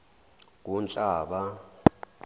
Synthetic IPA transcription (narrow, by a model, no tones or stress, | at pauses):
k̬unt͡ɬʼaːɓa